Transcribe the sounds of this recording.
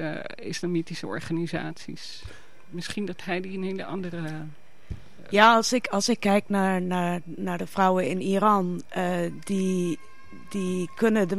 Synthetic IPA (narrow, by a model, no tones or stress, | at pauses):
ɪ̰slamitisəɔ̰ɹχaniza̰ːtsḭs | mɪsχindɑtɦɛjdiənɦeləɑ̰ndərə | jaːɑlˠsɪkʰɑlˠsɪkːɛjknaɹnaɹ | naɹdəfrawəɪnirɑnədi | dikønədə